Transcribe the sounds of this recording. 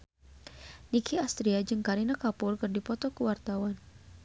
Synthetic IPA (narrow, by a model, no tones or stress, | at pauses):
nikʰiast̪ɾiad͡ʒɨŋkaɾinakapʊrkɨrdipɔt̪ɔkuwart̪awan